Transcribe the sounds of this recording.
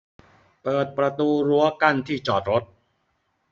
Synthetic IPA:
pɤː˨˩t̪̚pɾa˧t̪uː˧ɾu˦˥ɐka˥˩nt̪ʰiː˥˩t͡ɕɔː˨˩t̪̚ɾo˦˥t̪̚

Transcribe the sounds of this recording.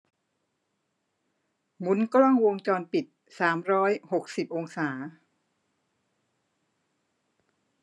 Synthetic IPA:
mu˨˦˥nkla˥˩ŋwo˧ŋt͡ɕɔː˧npi˨˩t̪̚ | saː˩˦mɾɔː˦˥jho˨˩k̚si˨˩p̚ʔo˧ŋsaː˩˦

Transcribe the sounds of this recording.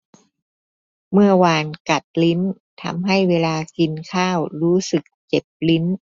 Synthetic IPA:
mɯ˥˩ɐwaː˧nka˨˩t̪̚li˦˥n | t̪ʰa̰˧mɦa˥˩jweː˧laː˧ki˧nkʰaː˥˩wɾuː˦˥sɯ˨˩k̚t͡ɕe˨˩p̚li˦˥n

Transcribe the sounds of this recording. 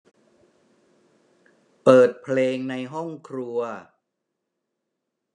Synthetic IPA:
pɤː˨˩t̪̚pʰleː˧ŋna˧jɦɔ˥˩ŋkʰɾu˧ɐ

